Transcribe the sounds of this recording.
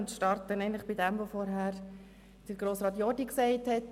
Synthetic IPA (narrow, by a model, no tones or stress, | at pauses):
ʊntʃtɑɾtənɛɪən̩tləχbɪdɛmʋofɔɾɦæːɾ | d̥əɾɡɾoːsɾɑːt̪̬jɔdiksɛɪthɛt